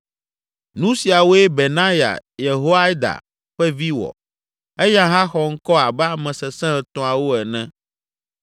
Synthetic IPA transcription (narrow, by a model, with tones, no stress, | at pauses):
nũ˦si˨a˨wo˦e˦be˨nã˦ja̰˨je˨ɦo˦a˦d̪a̰˨ | ɸɛ˦vi˦wɔ̰˨ | ɛ˦jã˦ɦã˦xɔ˨ŋ̩˦kɔ˦a˨bɛ˦a˦˨mɛ̃˨sɛ˨sɛ̃˦ɛ˨t̪ɔ̃˨a˨wo˦ɛ˨nɛ̃˦